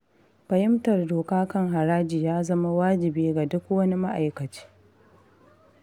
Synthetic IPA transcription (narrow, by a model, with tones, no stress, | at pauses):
ɸɐ˨jɪ˦mtɐ˨rdoː˨kaː˦kɐ˦ŋɦa˨ɾaː˦d͡ʒiː˨jaː˦zɐ˦ma˦waː˦d͡ʒɪ˨biː˦ɡa˨dʊ˦kwɐ˦ni˦ma˦ʔa˨jkɐ˨t͡ʃe̥ː˦